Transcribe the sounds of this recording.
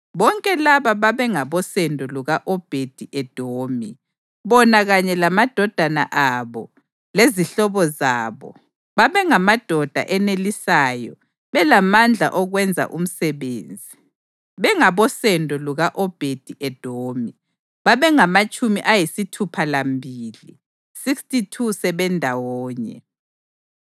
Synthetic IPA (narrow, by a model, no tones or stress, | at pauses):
βɔŋkʼɛlaβaβaβɛŋaβɔsɛndʱɔluɣaʔɔb̥ʱed̥ʱiʔɛd̥ʱoːmi | βɔnaɣaɲɛlamad̥ʱɔd̥ʱana̰ʔaβɔ | leziɬɔβɔza̰ːβɔ̰ | βaβɛŋamad̥ʱɔd̥ʱa̰ʔɛnelisaːjɔ | βɛlamand͡ɮʱa̰ʔɔɣwɛnd͡zʱa̰ʔum̩sɛβḛːnd͡zʱi | βɛŋaβɔsɛndʱɔluɣaʔɔb̥ʱed̥ʱiʔɛd̥ʱoːmi | βaβɛŋamat͡ʃʼumiʔajisitʰupʰalambʱiːlḭ | sikstʼitʰusɛβɛndʱawɔːɲɛ̰